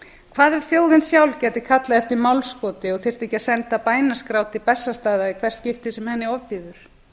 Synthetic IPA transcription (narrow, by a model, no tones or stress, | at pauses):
kʰvaːðɛɾ̥fjoːwðɪnsjawlcɛːt̪ɪkʰat̪laðɛft̪ɪɾmawlskɔːt̪ɪɔɣθɪr̥t̪ehcɪaðsɛnt̪apaːjnaskɾawt̪ɪpɛsːast̪aːðaikʰv̥ɛr̥t̪cɪft̪ɪsɛmhɛnːɪɔvpiːðʏɾ̥